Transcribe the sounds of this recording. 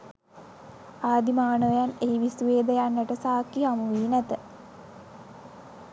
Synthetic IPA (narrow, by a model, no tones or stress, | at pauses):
aːd̪imaːnəjaneiʋisʋeːd̪əjanːəʈəsaːkːiɦamuʋiːnæt̪ə